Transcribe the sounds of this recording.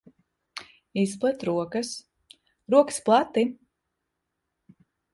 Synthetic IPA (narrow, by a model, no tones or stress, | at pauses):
isplˠɛt̪ɾuɔkɐs | ɾuɔkɨ̥splˠat̪ːi